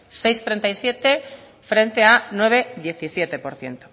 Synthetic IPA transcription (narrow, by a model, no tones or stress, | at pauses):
sejst̪ɾent̪ajsjet̪e | fɾent̪eanweβ̞eðjeθisjet̪epoɾθje̞̰nt̪o̥